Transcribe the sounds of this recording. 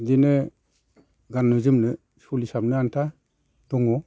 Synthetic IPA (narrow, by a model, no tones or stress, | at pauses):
dinɯ | ɡanːɯzɯmnɯ | sulisab̚nɯantʰa | d̥ɔŋɔ